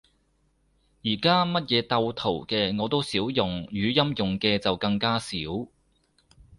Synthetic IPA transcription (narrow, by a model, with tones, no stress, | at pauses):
jiː˨˩kaː˥mɐ˥t̚jɛː˨˧t̪ɐ˧wt̪ʰo˨˩wkɛː˧ŋɔː˨˧t̪o˥wsiː˨˥wjʊ˨ŋjyː˨˧jɐ˥mjʊ˨ŋkɛː˧t͡sɐ˨wkɐ˧ŋkaː˥siː˨˥w